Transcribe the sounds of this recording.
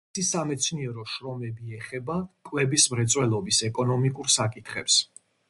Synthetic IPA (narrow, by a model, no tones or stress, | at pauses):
isamɛt̪sʰniɛɾɔʃɾɔmɛbiɛχɛbakʼwɛbismɾɛt̪sʼwɛlˠɔbisɛkʼɔnɔmikʼuɾsakʼit̪ʰχɛps